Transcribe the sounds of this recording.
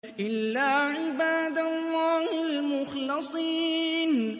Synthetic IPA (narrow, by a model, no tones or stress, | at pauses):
ʔɪlːaːʕɪbaːd̪alˤːaːhɪlmʊxlɪsˤiːn